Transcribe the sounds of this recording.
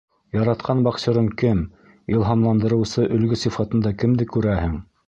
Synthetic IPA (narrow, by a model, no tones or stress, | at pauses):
jɑɾɑt̪qʰɑnbɑqɕɤ̆ɾɤɴkɘm | ilˠɦɑmlˠɑnd̪ɤ̆ɾɤ̆wsɤʔɵ̆lɡɵsifɑt̪ɤ̆nd̪ɑkɘ̆md̪ɘkʉɾæhɘŋ